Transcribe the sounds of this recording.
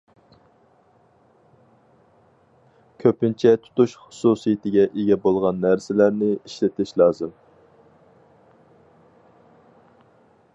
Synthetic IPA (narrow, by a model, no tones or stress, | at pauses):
kʲʰøpɪnt͡ʃʰɛt̪ʰʊ̥t̪uʃχʊ̥susijɪt̪ʰɪɡʲɛʔeɡʲɛbolˠʁɑnːæɾsɪlæɾnɪiʃlɪt̪ʰɪʃlˠɑːzɨm